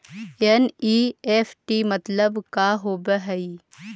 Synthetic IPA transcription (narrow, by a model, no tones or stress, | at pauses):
eniːeːfʰʈimɐt̪ləbkaɦoːbəɦɐi